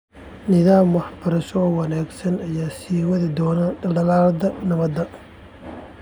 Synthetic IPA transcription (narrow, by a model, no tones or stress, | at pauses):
nɪðaːmwɑħbɐɾɐʃɔɔwɑnaːɡsɐnɐjaːsiːwɐðɪd̪ɔːnɐd̪ɐlɖɐlaːld̪ɐnɐβɐd̪ɐ